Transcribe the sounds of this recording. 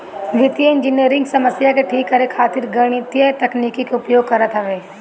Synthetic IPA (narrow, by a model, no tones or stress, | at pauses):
ɡɪt̪ijeɪ̃nd͡ʒɪniəɾɪ̃ŋɡsɐməsjakeʈʰiːkːɐɾekʰaːt̪ɪɾɡɐɽ̃it̪jəet̪ɐkniːkikeʊpjoːɡ̚kɐɾət̪ɦɛʋeː